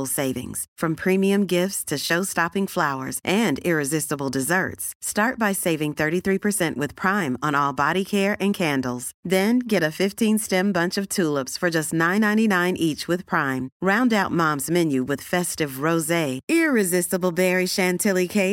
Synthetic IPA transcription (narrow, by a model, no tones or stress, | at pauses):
l̩ˠseɪvɪ̰̃ŋz̥fɹʌ̃mpʰɹ̥ĩmiɨ̃mɡɪftstʰɨʃoʊstɑpɪ̃ŋflaʊə̰˞zʔɨ̃nɪɹɨzɪstəbl̩ˠdɨzɜ̰˞tsstɑɹt̚b̥aɪseɪvɪ̃ŋθɜ˞ɾiθɹipʰə˞sɛ̃nʔwɨð̥pʰɹ̥ãɪ̃mə̃nɔlˠbɑɾikʰɛɹʔɨ̃nkʰæ̃ndl̩ˠz̥ðɨ̃nɡɛɾɨfɪftʰĩnstɛ̃mbʌ̃nt͡ʃʌv̥tʰulˠəpsfə˞d͡ʒʌstnãɪ̃nːãɪ̃ninãɪ̃nʔit͡ʃwɨð̥pʰɹ̥ãɪ̃mɹãʊ̃ndaʊt̚mɑ̃mzmɛ̃njʉwɨð̥fɛstɨvɹoʊzeɪɪɹɨzɪstəbl̩ˠbɛɹiʃæ̃ntʰɪlˠikʰeɪt